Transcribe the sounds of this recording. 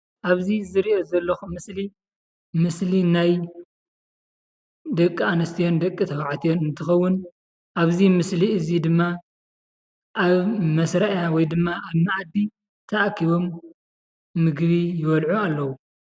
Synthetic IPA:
ʔaβzizɨɾiʔo̞zɐlːɐxumɨsli | mɨslinaj | d̪ɐkʼːianɐst̪ʰijo̞nd̪ɐkʼːit̪ʰɐβaʕt̪ʰijo̞nɨnt̪ʰɨxɐwːʊn | ʔaβzimɨsliɨzid̪ɨmːa | ʔaβmɐsɾɐʔjawɔjd̪ɨmːaʔaβnaʔad̪ːi | t̪ʰɐʔakʰiβo̞mː | ɨɡβijɪβɐlʕualːɐwu

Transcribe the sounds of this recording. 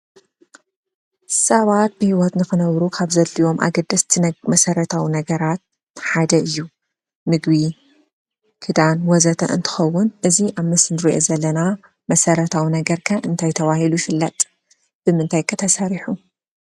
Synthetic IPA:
sɐβat̪̚bɨhiwɔt̪nɨxɨnɐβɾukʰaβzɐlːiwo̞mʔa̰ɡɐd̪ːɐst̪ʰimɐsɐɾɐt̪ʰawinɐɡɐɾat̪̚ | ħad̪ɐɨjːu | mɨɡbi | kʰɨd̪anwɔzɐt̪ʰɐ̰ʔɨnt̪ʰɨ̥xɐwːʊnʔɨziʔaβmɨsnɨɾiʔo̞zɐlːɐna | mɐsɐɾɐt̪ʰawinɐɡɐɾkʰaʔɨnt̪ʰajt̪ʰɐβahilujɪfɨlːɐt̪ʼ | b̥ɨmɨnt̪ʰajkʰɐt̪ʰɐsɐɾiħu

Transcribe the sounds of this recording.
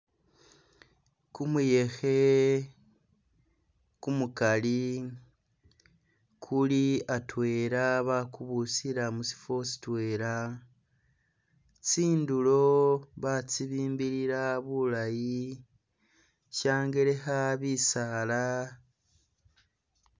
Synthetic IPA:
kumuje̞xe | kumukali | kʰuliatwe̞ːɾaβakuβusiɾamusi̥fo̞si̥twe̞ːɾa | t͡siːndulo̞βat͡siβiːmbiɾiɾaβulaji | ʃaːŋɡe̞ɾe̞xaβisala

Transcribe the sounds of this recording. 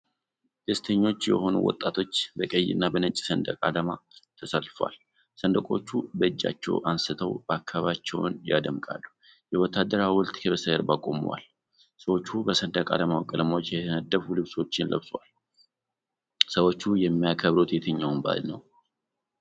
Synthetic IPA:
d̪̥əst̪ʰəɲːo̞t͡ʃːjɛ̰ho̞nṵwɔ̰t̪ʼːat̪ʰo̞t͡ʃːbəkʼəjːɪ̰nːabənət͡ʃʼi̥sənd̪əkʼad̪əmat̪ʰəsəlfa̰l | sənd̪əkʼot͡ʃːubəɨd͡ʒːa̰t͡ʃːɛ̰wʔansɨt̪ʰəwbakʰːaβat͡ʃːɛwnjad̪əmkʼa̰lːu | jɛwɔt̪ːad̪əɾawɔlt̪ʼkʰəβəsəəɾbakʼo̞̰mṵwa̰l | səwo̞t͡ʃːubəsənd̪akʼa̰d̪əmawkʼələmawot͡ʃːjɛt̪ʰənəd̪ːəfulɨβswo̞t͡ʃːɪnlə̰βsʼwal | səwo̞t͡ʃːujɛmːijakʰəβɾo̞t̪jɛt̪ʰəɲːawunba̰lnəw

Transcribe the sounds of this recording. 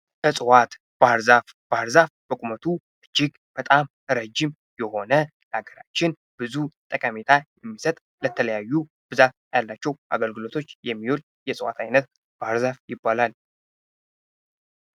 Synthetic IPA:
bəsʼɨwat̪ | b̥aɾzaf | b̥aɾzafb̥əkʼumət̪ʰu | ʔɨd͡ʒːɪɡ | b̥ət̪ʼam | ɾəd͡ʒɪm | jɛho̞nə | laɡəɾat͡ʃːɪn | b̥ɨzut̪ʼəkʼəmet̪ʰajɛmːisət̪ʼ | lət̪ʰələjajːu | b̥ɨzat̪̚jalːat͡ʃːɛwʔa̰ɡəlɡɨlo̞t̪ʰo̞t͡ʃːjɛmːiwol | jɛsʼɨwa̰t̪ʰajnət̪ | b̥aɾzafjɪbːalal

